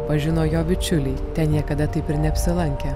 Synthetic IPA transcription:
pɐʒʲɪnoːjoːbʲɪt͡ʃʲʊlʲɛɪt̪ʲɛnjiɛkɐd̪ɐt̪ɐɪpɪɾnʲɛɐpʲsʲɪlˠɐŋʲkʲɛ

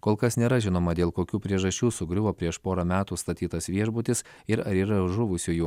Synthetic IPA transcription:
koːlˠkɐsnʲeːɾɐʒʲɪnoːmɐd̪ʲeːlˠkoːkʲuːpʲɾʲiɛʒɐʃʲt͡ʃʲuːsʊɡɾʲʊʋoːpʲɾʲiɛʃpoːɾɐmʲæːt̪uːst̪ɐt̪ʲiːt̪ɐsʋʲiɛʒbʊt̪ʲɪs | ɪɾɐɾiːɾɐʒʊʋʊsʲuːjuː

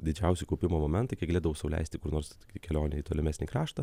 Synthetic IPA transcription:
d̪ʲɪd͡ʒʲɛʊsʲɪkɐʊpʲɪmoːmoːmʲɛnt̪ɐɪkʲɛkɡɐlʲeːd̪ɐʋɐʊsɐʋʊlʲɛ̰ɪsʲt̪ʲɪkʊrnoːɾstokʲikʲɛlʲoːnʲɛiːt̪oːlʲɛmʲæːsʲnʲiːkɾɑːʃt̪ɐ

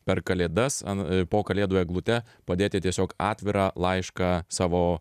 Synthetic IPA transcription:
pʲɛrkɐlʲeːd̪ɐsɐ̰npoːkɐlʲeːd̪oːjɛːɡlˠʊt̪ʲɛ | pɐd̪ʲeːt̪ʲɪt̪ʲiɛsʲoːkɑːt̪ʲʋʲɪɾɑːlˠɐɪʃkɑːsɑːʋoː

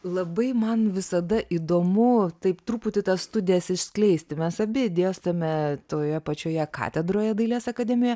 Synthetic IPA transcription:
lˠɐbɐɪmɐnʋʲɪsɐd̪ɐʔid̪oːmʊt̪ɐɪpt̪ɾuːpʊt̪ʲɪt̪ɐsst̪ʊdʲɪjɛsɪʃsʲklʲɛɪsʲt̪ʲɪmʲɛsɐbʲɪd̪ʲeːɛst̪ɐmʲɛt̪oːjɛpɐt͡ʃʲoːjɛkɑ̰ːt̪ʲɛd̪ɾoːjɛd̪ɐɪlʲeːsɐkɐd̪ʲɛmʲɪjoːjɛ

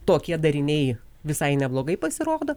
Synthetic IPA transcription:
t̪oːkʲiɛd̪ɐɾʲɪnʲɛɪ | ʋʲɪsɐɪnʲɛblˠoːɡɐɪpɐsʲɪɾoːd̪oː

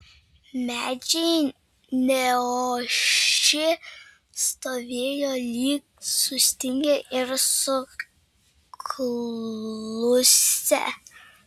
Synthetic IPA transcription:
mʲæːd͡ʒʲɛ | nʲɛoʃɪ | st̪oːʋʲeːjoːlʲiːk̚sʊsʲt̪ʲɪŋʲɡʲɛʔɪɾsʊ | kʰ | lˠʊsʲɛ̰

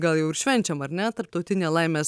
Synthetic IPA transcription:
ɡɐlˠjɛʊɪɾʃʲʋʲɛnʲt͡ʃʲɛmɐɾnʲɛt̪ɐɾp̚t̪ɒʊt̪ʲɪnʲeːlˠɐɪmʲeː

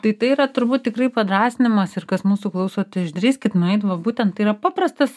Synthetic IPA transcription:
t̪ɐɪt̪ɐɪiːɾɐt̪ʊɾbuːt̪̚t̪ʲɪkrɐɪpɐd̪ɾɑːsʲɪnʲɪmɐsɪrkɐsmuːsʊklˠɐʊsoːt̪ʲɪɪʒʲd̪ʲɾʲiːsʲkʲɪt̪nʊɛɪt̪ʋɐbuːt̪ʲɛnt̪t̪ɐɪiːɾɐpɑːprɐst̪ɐs

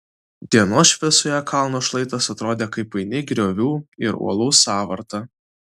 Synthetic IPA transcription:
d̪ʲiɛnoːsʃʃʲʋʲɪsojɛkʰɑˑlˠnoːʃlˠɐɪt̪ɐsɐt̪ɾoːd̪ʲeːkɐɪpɐɪnʲɪɡɾʲoːʋʲuːɪɾṵɔlˠuːsɑːʋɐɾt̪ɑ

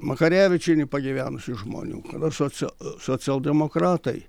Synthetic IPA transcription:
mɐkɐɾʲæːʋʲɪt͡ʃʲɛɪnʲɪpɐɡʲɪʋʲæːnʊsʲɪʒmo̰ːnʲṵːkɐ̰d̪ɐsosoːsʲɪɐlˠd̪ʲɛmokɾɑːt̪ɐɪ

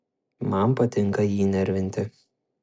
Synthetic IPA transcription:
mɐmpɐt̪ʲɪŋˑkɐjiːnʲɛɾʲʋʲɪnʲt̪ʲɪ

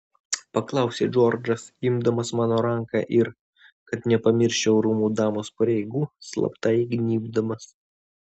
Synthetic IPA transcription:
pɐklˠɑˑʊsʲeːd͡ʒɔɾd͡ʒɐsɪmd̪ɐmɐsmɑːnoːɾɐŋˑkɑ̰ːʔɪɾ | kɐt̪nʲɛpɐmʲɪɾʲʃʲt͡ʃʲɛʊɾuːmuːd̪ɑːmoːspɐɾʲɛɪɡuːslˠɐ̰pt̪ɐɪɡnʲiːbd̪ɐmɐs

